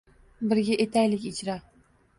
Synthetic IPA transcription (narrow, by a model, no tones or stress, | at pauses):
bɪɾɡʲaʔet̪ʰæjlɪkʲit͡ʃʰɾa